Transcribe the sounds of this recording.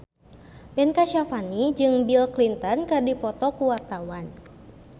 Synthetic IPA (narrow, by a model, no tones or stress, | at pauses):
bɛnkaʃafanid͡ʒɨŋbilklint̪ənkɨrdipɔt̪ɔkuwart̪awan